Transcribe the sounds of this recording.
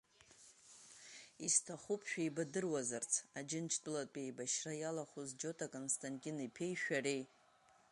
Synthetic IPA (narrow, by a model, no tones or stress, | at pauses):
istʰaχupʰʼʃᶣaijbadɨrwazɨrt͡sʰad͡ʒɪnt͡ʃʰtʼlatʼejbaʃrajalaχuzd͡ʒo̞tʰakʼonstʰʼantʼinipʰe̞jʃᶣarej